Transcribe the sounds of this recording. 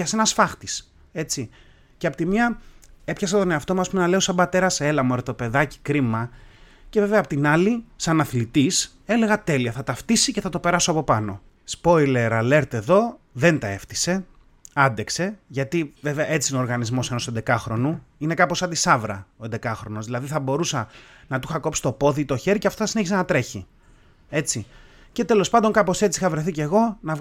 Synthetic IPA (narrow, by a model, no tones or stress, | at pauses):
ɐse̞nɐsfɐxt̪is | e̞t͡si | ceɐpot̪imiɐe̞pçɐs̬ɐt̪o̞neɐft̪o̞mɐsːspume̞nɐle̞o̞sɐbɐt̪e̞ɾɐse̞lɐmoeɾot̪ope̞ðɐci̥kɾimɐ | ce̞ve̞ve̞ɐːpo̞t̪inɐlisɐnɐθlit̪is | e̞le̞ɣɐt̪e̞liɐθɐt̪ɐft̪isiceθɐt̪o̞pe̞ɾɐso̞ɐpo̞pɐno̞ | spo̞jle̞ɾɐle̞ɾt̪e̞ðo̞ðe̞nt̪ɐe̞ft̪i̥se̞ | ɐnd̪e̞kse̞ʝɐt̪iveveɐʔe̞t͡siinoːɾɣɐnizmo̞se̞no̞se̞nd̪e̞kɐxɾo̞nuine̞kɐposɐd̪isɐvɾɐ̰o̞nd̪e̞kɐxɾo̞nozðilɐðiθɐbo̞ɾusɐ | nɐt̪uxɐko̞psi̥t̪o̞po̞ðit̪o̞çe̞ɾiceɐft̪oθɐsineçisenɐt̪ɾe̞çi | e̞t͡si | ce̞t̪e̞lo̞spɐnd̪o̞ŋkɐpo̞se̞t͡sixɐvɾeθice̞ɣo̞nɐ